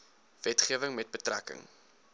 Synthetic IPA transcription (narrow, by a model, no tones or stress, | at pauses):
vɛtχiəvəŋmɛt̚bətrækə̰ŋ